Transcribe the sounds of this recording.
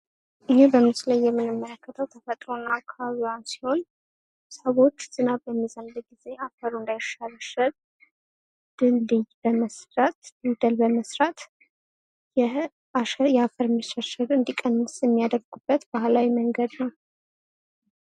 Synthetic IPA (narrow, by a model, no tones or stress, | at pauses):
ʔɨnebəmɨslajːɛmːɨnɨmːələkʰːət̪ʰəwt̪ʰəfət̪ʼɾo̞nːaakʰːaβaβijwansi̥ho̞n | səβo̞t͡ʃːz̥ɨnaəmːizənd̪ɨɡize̞afəɾuɨnd̪ajʃaləʃəɾ | d̪̥ɨlːɨjbəməsɾat̪lɨd̪əlbəməsɾat̪ | jɛ | jɛafəɾməʃaʃəɾɨnd̪ikʼənːɨsjɛmːijad̪əɾɡubːət̪bahlawiməŋɡəd̪nəw